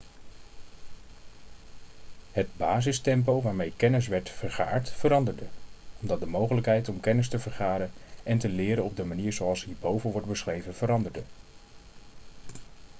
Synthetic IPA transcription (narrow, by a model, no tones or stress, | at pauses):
ɦəd̚baːzɪstɛmp̬owʋaːɹmejkɛnəs̬ʋɛɹtfəɹχa̰ːɹtfəɾɑndəɹdəɔmdɑt̚dəmowχələkɦɛjtɔmkɛnəs̬təvəɹχaːdəɛntəlɪːɾənɔb̚dəmaniːɹzowɑlˠsɦiːɹbowvənʋɔɹtbəsχrejvəv̥əɾɑndəɹdə